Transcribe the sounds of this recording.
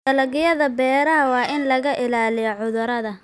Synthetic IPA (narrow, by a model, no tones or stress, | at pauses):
tɐlɐɣɪjɐðɐbɛːɾɐɦɐwɑːʔɪnlɐɣɐʔɪlaːlɪjɔʕʊðʊɾɐðɐ